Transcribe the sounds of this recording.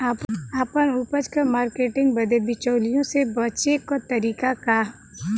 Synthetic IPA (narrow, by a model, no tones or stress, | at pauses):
aːpaːpənupəd͡ʒkəmaːɾkeːʈɪ̃ŋɡbɐd̪ebɪt͡ʃəːlijõsebɐt͡ʃekot̪ɐɾiːkaka